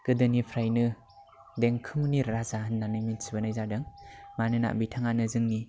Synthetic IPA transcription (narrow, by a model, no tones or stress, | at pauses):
kɯdɯnipʰɾajnɯ | deŋkʰɯmniɾazanːanɯminsibanajzadɯŋmanɯna̰ʔbitʰaŋanɯzɯŋni